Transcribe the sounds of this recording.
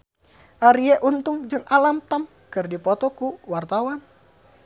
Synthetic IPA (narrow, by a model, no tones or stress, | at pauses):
ʔaɾiɛʔunt̪ʊŋd͡ʒɨŋʔalamt̪am | kɨrdipɔt̪ɔkuwart̪awan